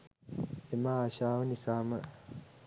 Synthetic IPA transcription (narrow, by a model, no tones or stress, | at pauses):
emaɕaːʋənisaːmə